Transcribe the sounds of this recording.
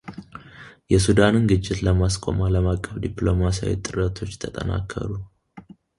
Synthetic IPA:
jɛsud̪anɨnɡɨt͡ʃʼːɪt̪ləmaskʼo̞̰maləmakʼːəfd̪iplo̞masa̰wḭt̪ʼɨɾət̪ʰo̞t͡ʃːt̪ʰət̪ʼə̰na̰kʰːə̰ɾu

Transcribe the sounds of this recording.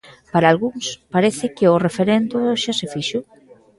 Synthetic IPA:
paɾalɣuŋspaɾeθɪkɪʊrefeɾend̪ʊʃasefiʃʊ

